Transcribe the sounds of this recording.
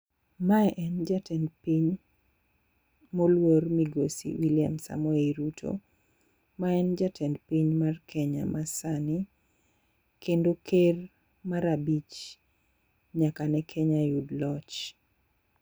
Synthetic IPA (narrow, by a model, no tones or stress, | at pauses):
maɛʔɛnd͡ʒatɛnpiɲ | molwormiɡosḭwilija̰msa̰mɔeɾutʰo̰ | maɛnd͡ʒatʰɛndpiɲmarkʰɛɲa̰mʔasani | kʰendoker | maɾabit͡ʃ | ɲakanɛkʰɛɲajudlɔt͡ʃ